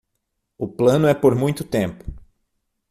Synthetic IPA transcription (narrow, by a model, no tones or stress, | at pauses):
ʊplɐ̃nʊɛpoɾmũj̃t̪ʊt̪ẽmpʊ̥